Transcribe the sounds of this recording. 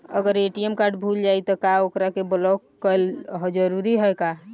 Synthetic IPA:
ə̰ɡəɾeʈiemkaɾɖbʱuld͡ʒajt̪ɔkaokɾakeblɔkːəlɦɔd͡ʒəɾuɾiɦɔjka

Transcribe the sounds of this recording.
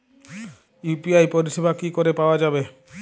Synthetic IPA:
jupiajpɔɾiʃebʱakikoɾepaoad͡ʒabe

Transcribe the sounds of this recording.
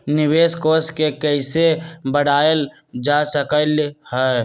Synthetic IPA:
nɪbeːskoskekəɪsebəɽaːel | d͡ʒasəkəlhɛ

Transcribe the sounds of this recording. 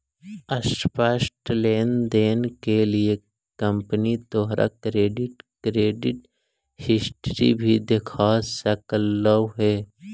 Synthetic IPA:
əspəsʈleːnd̪eːnkelie | kə̃mpənit̪oːɦɾʔa̰kɾeːɖɪʈkɾeːɖɪʈ | hɪsʈɾḭbʱid̪ekʰaːsɐkəlːəwɦɛː

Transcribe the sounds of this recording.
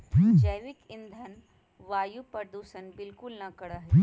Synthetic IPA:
d͡ʒəjʋɪkɪ̃nd̪ʱən | ʋaːjupɐɾd̪uːʃənbɪlkʊlnɐkɐɽaɦɛ

